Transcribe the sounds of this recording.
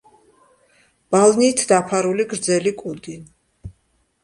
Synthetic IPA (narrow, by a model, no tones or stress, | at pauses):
b̥alniːt̪ʰd̪apʰaɾuliɡɾd̪zɛlikʼud̪in